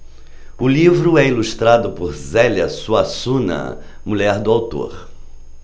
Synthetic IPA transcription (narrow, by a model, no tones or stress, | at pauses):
ʊlivɾʊɛiluʃt̪ɾad̪ʊpʊɾzɛlɐsuasũnɐ̰ | muʎɛɾd̪ʊawt̪o̰ɾ